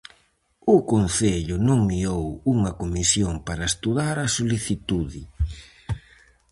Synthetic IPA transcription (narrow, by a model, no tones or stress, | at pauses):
ʊkonθeʎʊnõŋmiowuŋɐkomisjoŋpaɾɐest̪uðaɾɐsoliθit̪uðɪ